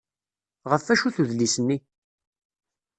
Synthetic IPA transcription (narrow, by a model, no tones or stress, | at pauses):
ʁəfːæʃuθuðlisənːi